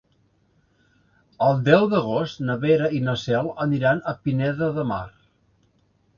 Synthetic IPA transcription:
əlˠd̪ɛwd̪əɣost̪nəβeɾəinəsɛlˠəniɾanəpinɛðəðəma̰r

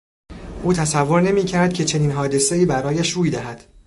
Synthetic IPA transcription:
ʔuːt̪ʰæsævːo̞ɾne̞miːcʰæɾd̪̥̚cʰe̞t͡ʃʰe̞niːnɦɒːd̪e̞se̞iːbæɾɒːjæʃɾuːjd̪æɦæd̪̥

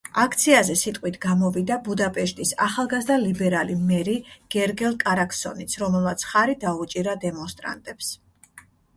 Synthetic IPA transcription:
akʰt̪sʰiazɛsit̪ʼqʼwit̪ʰɡamɔvid̪abud̪apʼɛʃt̪ʼisa̰χalˠɡazd̪alibɛɾalimɛɾiɡ̥ɛɾɡɛlˠkʼaɾakʰsɔ̰nit̪sʰɾɔmɛlˠmat̪sʰχaɾid̪aut͡ʃʼiɾad̪ɛmɔnst̪ʼɾa̰nt̪ʼɛps

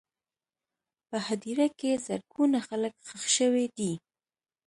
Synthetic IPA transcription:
pəhad̪iɾakezaɾɡunaxaləkxəxʃəwed̪i

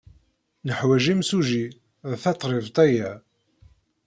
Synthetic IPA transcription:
nəħwæʒimsuʒi | ʁθɑt̪ˤːɾˤevt̪ˤæjæ

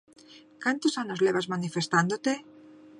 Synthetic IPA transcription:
kant̪osaɲozleβazmanife̞st̪and̪ot̪e̞

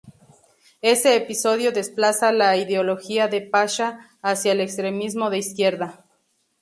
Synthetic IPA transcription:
e̞se̞ːpiso̞ðjo̞ðesplasalaiðeolo̞xiaðepaʃaː | sjaelekst̪ɾemizmo̞ðeiskje̞ɾða

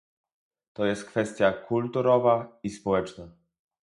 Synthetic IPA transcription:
t̪ɔjɛst̪̚kfɛst̪ʲjakʰult̪uɾɔvaispɔwɛt͡ʂna

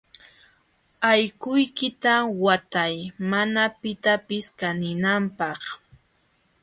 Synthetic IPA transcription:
ajkʊjkɪt̪awat̪ajmanapɪt̪apɪskanɪnampɑχ

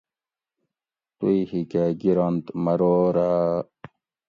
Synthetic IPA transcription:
t̪uihikaɡiɾant̪mɐɾoːɾa

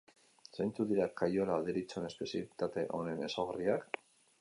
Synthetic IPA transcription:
sejnt͡suðiɾakajo̞laːðeɾit͡sone̞spe̞sialit̪at̪e̞ʔo̞ne̞ne̞soɣariak

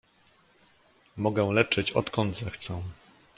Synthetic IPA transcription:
mɔɡɛw̃lɛt͡ʂɘt͡ɕɔ̰t̪kɔnd̪zɛxt̪sɛ̃

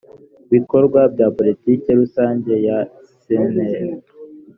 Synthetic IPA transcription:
βiko̞ɾɡwabɟapo̞litiːkeɾusaːɲɟe̞ja | sene

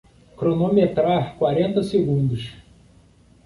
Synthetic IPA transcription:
kɾonomet̪ɾaɾkwaɾẽnt̪ɐseɡũnd̪ʊʃ

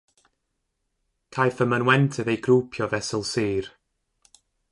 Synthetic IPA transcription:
kʰajθəmənwɛntʰɨðejɡruːpʰjɔvɛsəlˠsiːr

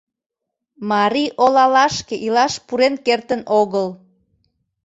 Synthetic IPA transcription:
mɑɾiʔolɑlɑʃkeʔilɑʃpuɾenkert̪ənoɣəl

